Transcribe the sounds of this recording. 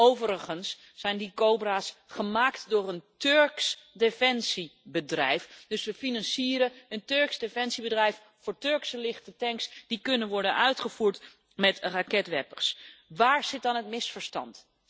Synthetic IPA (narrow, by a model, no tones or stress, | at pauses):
owvəɾəχənsː | ɛjndikowbraːsχəmaːktdʊːɹəntɵɹksdefɛnsibədrɛjfd̥ɵsʋəfinɑnsiːəɾəəntøɹksdefɛnsibədrɛjf | fʊːɹtøɹksəlɪχtətɛŋksd̥ikɵnənʋɔɹdənœɥtχəvuːɹt | mɛtrakɛtʋɛpə̰ɹsʋaːɹz̥ɪt̚dɑnɦətmɪsfəɹstɑ̰nt